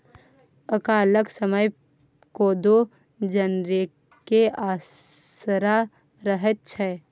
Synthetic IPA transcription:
əkaləɡsəməj | koːd̪o | d͡ʒənɾe | keaː | sɾa | ɾəɦət̪̚t͡ʃʰɛː

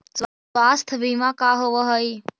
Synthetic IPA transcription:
s | ʋaːst̪ʰʋimãkaːɦoʋəɦəi

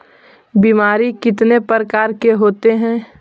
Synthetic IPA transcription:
biːmaːɾikɪt̪nepəɾəkaːɾkeɦoːt̪eɦɛ̃ː

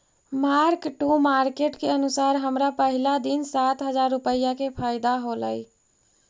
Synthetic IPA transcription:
maɾkʈumaɾkeʈkeənusaɾɦəmɾapəɦilad̪insat̪ɦəd͡ʒaɾːupəjakepʰaɪd̪aɦolə̰j

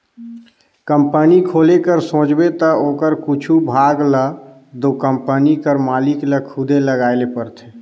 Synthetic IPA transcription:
kəmpənikʰoːlekəɾsõːd͡ʒbet̪əoːkəɾkut͡ʃʰubʱaːɡlə | d̪oːkəmpənikəɾmaːlɪkləkʰʊd̪ʱeləɡaːelepəɾt̪ʰeː

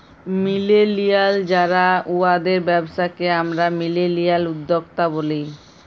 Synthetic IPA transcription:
milelijald͡ʑaɾauad̪eɾbɛboʃakeamɾamilelijalud̪ːok̚t̪abolej

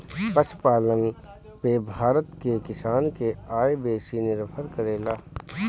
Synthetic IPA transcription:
pəʃpaːlən | pebʱaːɾət̪kekɪsaːnkeaːebeːsinɪɾfʰəɾkəɾeːlaː

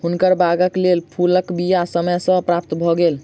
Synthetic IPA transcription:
ɦunkəɾbaɡəklelpʰuləkbijasəməjsə̃pɾap̚t̪bʱɔɡel

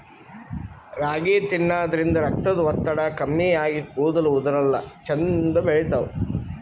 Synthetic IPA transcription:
ɾaːɡiːt̪inːaːd̪ɐɾind̪ɐɾɐk̚t̪ɐd̪uʋɐt̪ːɐɽɐkɐmːijaːɡikuːd̪ɐluːd̪ɐɾɐlːɐ̰t͡ʃend̪ɐbeɭit̪ɐu

